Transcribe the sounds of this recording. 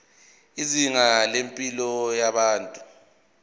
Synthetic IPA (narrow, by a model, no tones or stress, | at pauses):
iziŋalempʼilɔjaɓaːntʼu